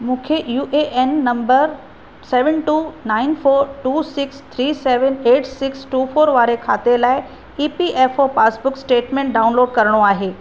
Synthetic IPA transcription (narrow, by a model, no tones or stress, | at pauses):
mũːkʰejuːʔeʔenːɐ̃mbəɾ | sɛːʋənʈuːnaːɪnfʰoːɾʈuːsɪkst̪ʰɾiːseːʋəneːʈsɪksʈuːfoːɾʋaːɾekʰaːt̪elaːɪ | iːpiʔeːfopaːsbʊksʈeːʈmẽːɳʈ̚ɖaːʊ̃nloːɖkɐɾɽ̃oaːɦeː